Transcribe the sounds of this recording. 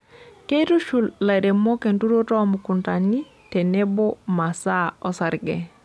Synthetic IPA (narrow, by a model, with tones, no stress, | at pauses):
ke˦ɾu˦ʃu˨lːa˨ɾe˨mo˦ke˨ndu˦ɾo˦tɔ˦muku˨nta˨ni˦ | te˨ne˦bo˦ma˨sa˦ɔ˦sa˨ɾɡɛ˨